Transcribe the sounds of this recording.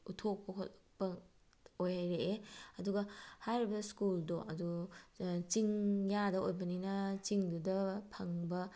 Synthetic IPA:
utʰok̚pɐkʰotpɐ | ojɦajɾeeɐduɡɐhajɾibɐskuldoʔɐ̰du | t͡ʃiŋjadɐojbɐninɐt͡ʃiŋdudɐpʰɐŋbɐ

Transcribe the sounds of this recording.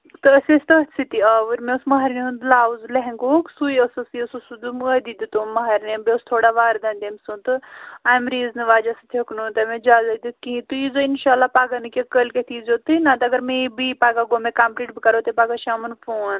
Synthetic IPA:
t̪ɨɐsesʲt̪ɐɦɐt̪sʰit̪iɐʋɨɾmesmɐɦɐɾneũnd̪laːzlɐɦeŋkoksujɐsɐsiɐsusud̪uməd̪id̪it̪omɐɦɐɾnebest̪ʰoːɽaʋaːɾd̪ɐnd̪emsut̪ɨaːmɾiːznɨʋaːd͡ʒɐsɨt̪ʰiɐknut̪ɐmed͡ʒaːzɐd̪ikĩt̪ɨizoinʃaːlːapaːɡɐnɨkekəlket̪ʰizot̪ɨnãt̪ɐɡɐɾmẽibipaːɡaɡomekaːmpɾiːʈbikɐɾot̪ɐpaːɡaʃiamɐnfʰoːn

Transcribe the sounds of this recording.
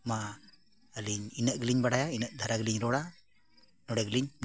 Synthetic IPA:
ma | əliɲinəʔɡiliɲbaɽajainəʔd̪ʱaɾaɡiliɲɾɔɽa | nɔɽɛɡliɲ

